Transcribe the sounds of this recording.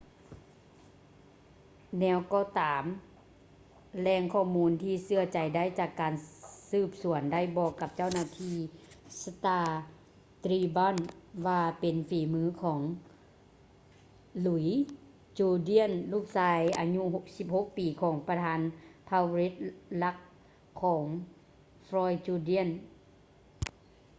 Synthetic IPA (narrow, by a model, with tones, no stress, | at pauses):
nɛː˧˩wkɔː˧˩t̪aː˨˩˦m | lɛː˧˩ŋkʰɔː˧˩muː˧˥nt̪ʰiː˧sɯ˧˩ɐt͡ɕa˨˩jda˥˩˨jt͡ɕaː˧˩kːaː˨nsɯː˧˩p̚su˨˩˦ənda˥˩˨jbɔː˧˩kːa˧p̚t͡ɕa˥˨wnaː˧˩t̪ʰiː˧˩sa˧t̪aː˧˩ | t̪ɾiː˧bɔ˧˥˨nʋaː˧pe˨nfiː˨˦mɯː˧˦˥kʰɔː˩˦ŋ | lu˨˩˦j | t͡ɕuː˧di˧˥ə˨nluː˧˥˩k̚saː˧jʔa˨˧ɲu˧ɦo˧k̚si˧˦p̚ho˧˥k̚piː˨kʰɔː˩˦ŋpa˧t̪ʰaː˧˦npʰa˧wɾi˦˥t̪̚la˧˦˥k̚ʰː | ɔː˩˦ŋ | fɾɔː˧jt͡ɕuː˧di˧˥ə˨n